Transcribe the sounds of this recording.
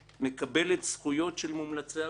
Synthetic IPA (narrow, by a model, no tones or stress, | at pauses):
ne̞kabe̞let̪sχujo̞tʃelmumlat͡sea